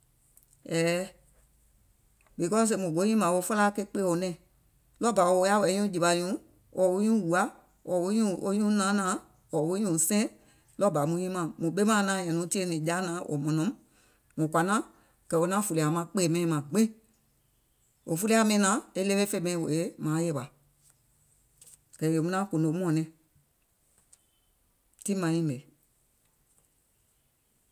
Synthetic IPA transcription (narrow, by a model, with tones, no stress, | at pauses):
ɛː˨ | bi˨kɔ˦s̬e˧˨mũ˨ɡo˨˦ɲĩ˦mã˨o˧fɔ˦la˦ke˧˦k͡pe˦˨o˨nɛ̃˦˨ | lɔ˦ba˨o˧˦a˦wɛ˨˦ɲũ˦d͡ʒi˨ba˨ɲũ˨˦ | wʔɔ˨wo˧˦ɲũ˦wu˨a˨˦ | wɔ˨wo˦ɲũ˦o˧˦ɲũ˦nãː˨˦nãː˨˦ | wɔ˨wo˦ɲũ˨sɛ̃˦ | lɔ˦ba˨˦mũ˧˦ɲĩ˦mã˨mũ˨ɓe˦mãː˦nãː˨˦˨ɲɛ̃˨nũ˨˦ti˦e˦nĩ˨d͡ʒa˦nãː˨˦ʔo̰˨mɔ̃˨nɔ̃˨˦m | mũ˨kwa˨nã˦ | kɛ˨o˧nã˦fu˨li˨a˨mã˧˦k͡pe˦˨mɛ̃˧ĩ˧mã˨ɡ͡bẽ˦ | o˨fu˦la˧˦mɛ̃˧˦nãː˨˦e˦le˦e˦fe˧˨˦mɛ̃˧ĩ˧wo̰˨e˨˦mãː˨˦je˧˦ɓa˨ | kɛ˨je˨mũ˦nã˦kõ˨ndo˨˦m˦ɔ̃˨nɛ̃˨˦ | ti˦mã˨˧˦ĩ˦˨be˨